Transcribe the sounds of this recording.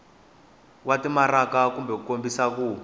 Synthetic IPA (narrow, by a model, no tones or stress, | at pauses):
watimaɾakakumbɛkukombisakuː